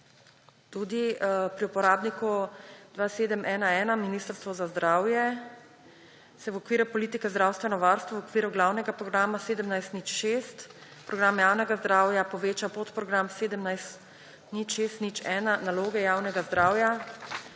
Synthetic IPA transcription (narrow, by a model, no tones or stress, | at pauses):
t̪uːd̪ipɾiupɔɾaːbnikud̪ʋaseːd̪əmʔɛːnaɛːnaminiːst̪əɾst̪ʋɔzazd̪ɾaːwjɛ | sɛwɔkʋiːɾupɔliːt̪ikɛzd̪ɾaːwst̪ʋɛnɔʋaːɾst̪ʋɔwɔkʋiːɾuɡlaːwnɛɡapɾɔɡɾaːmaseːd̪əmnajst̪nit͡ʃʃeːst̪pɾʔɔɡɾamjaːwnɛɡazd̪ɾaːwjapɔʋeːt͡ʃapot̪pɾɔɡɾamseːd̪əmnajst̪ | nit͡ʃʃeːst̪nit͡ʃɛːnanaloːɡɛjaːwnɛɡazd̪ɾaːwja